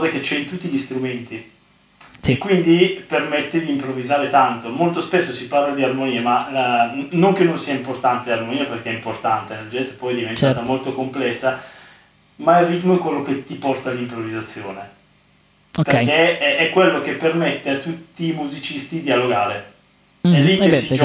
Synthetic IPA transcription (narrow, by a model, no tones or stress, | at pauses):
zak̟et͡ʃɛint̪ut̪ːiʎist̪ɾument̪i | sekːwind̪ipermet̪ːed̪iːmpɾovːizaːɾet̪ant̪omolt̪ospesːosiparlad̪iarmoniːema | noŋk̟enːonsiːaimport̪ant̪earmoniːaperk̟eɛimport̪ant̪eneld͡ʒɛt̪sepːɔjd̪ivent͡ʃ̪at̪amolt̪okomplɛsːa | mailrːit̪moɛkːwelːok̟et̪ːipɔrt̪alːimpɾovizat̪sːjoːne | ope̟eɛɛkːwelːok̟epːermet̪ːeat̪ːut̪ːiːmuzit͡ʃist̪id̪ialoɡaːɾe | ɛlːikːesi